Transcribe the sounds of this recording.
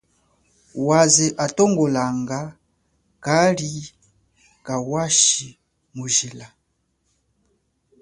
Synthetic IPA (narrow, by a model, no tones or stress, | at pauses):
waziʔatɔŋɡɔlaŋɡa | kali | kawaʃi | muʒila